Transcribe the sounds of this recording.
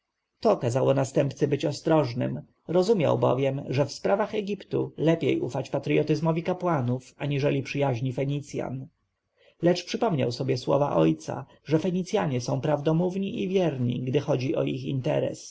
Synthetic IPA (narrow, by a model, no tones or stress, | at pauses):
t̪ɔkazawɔnast̪ɛmpt̪sɘbɘt͡ɕɔst̪ɾɔʐnɘ̰m | ɾɔzumʲja̰wbɔ̰vʲjɛmʐɛfspɾavaxɛɡʲipt̪ulɛpʲjḛjʔufat͡ɕpat̪ɾɨjɔt̪ɘzmɔvʲikapwanufaɲiʐɛlʲipʂɘjaʑɲifɛɲit̪sʲja̰n | lɛt͡ʂpʂɘpɔmɲa̰wsɔbʲjɛswɔ̰va̰ʔɔjt̪sa̰ | ʐɛfɛɲit̪sʲja̰ɲɛsɔ̃w̃pɾavd̪ɔmuvɲiʔivʲjɛɾɲḭɡd̪ɘxɔd͡ʑiʔɔixint̪ɛ̰ɾɛ̰s